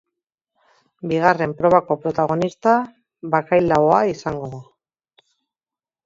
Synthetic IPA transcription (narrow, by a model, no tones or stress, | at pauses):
biɣ̞are̞mpɾo̞βako̞pɾo̞t̪aɣ̞o̞nist̪a | βakajlaoaisaŋɡo̞